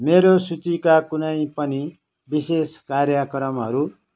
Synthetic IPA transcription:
meɾosut͡sikakunʌjpʌni | biseskaɾjʌkɾʌmɦʌɾu

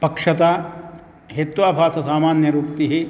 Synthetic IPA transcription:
pɐkʂɐt̪aː | ɦet̪uʋaːbʱaːsɐsaːmaːnjɐɾuk̚t̪iɦi

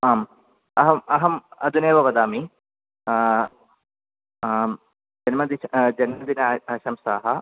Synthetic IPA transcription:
aːm | ɐɦɐmɐɦɐmɐd̪ʱuneːʋɐʋɐd̪aːmi | am | d͡ʒɐnmɐd̪id͡ʒɐnmɐd̪inɐɐʃɐmsa̰ːɦɐ

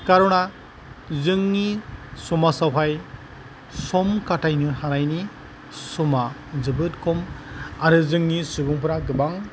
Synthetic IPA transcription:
kaɾɔna | zɯŋnisɔmasawɦʰaj | sɔmkatʰajnɯɾhaɾajni | sumazɯbɯt̚kʰɔmaɾɯzɯŋnisuɡuŋpɯɾaɡɯbaŋ

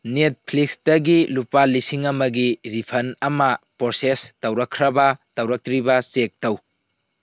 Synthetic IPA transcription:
net̚pʰlik̚sdɐɡilupalisiŋɐmɐɡiɾipʰɐnɐmɐpoɾsestɐwɾɐkʰːɾɐbɐtɐwɾɐk̚tɾibɐsek̚tɐw

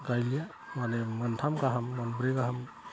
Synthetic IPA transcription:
ɡajlija | manemɯntʰamɡaɦamːanbɾeɡaɦam

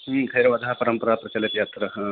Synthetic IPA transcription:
kʰɐjɾɐʋɐd̪ʱaːɦɐpɐɾɐmpɐɾaːpɾɐt͡ʃɐlit̪jat̪ɾɐɦ

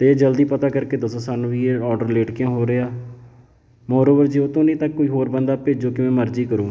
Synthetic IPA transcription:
t̪eːeːd͡ʒəld̪iːpət̪aːkəɾkeːd̪əsõːsaːnũːʋiːeɔːɖəɾleːʈkɪjãːɦoːɾeːaː | moːɾoːʋəɾd͡ʒiːoːt̪õːnĩːt̪əkːoːiːɦoːɾbənd̪aːpeːd͡ʒoːkɪmɛ̃ːməɾd͡ʒiːkəɾũː

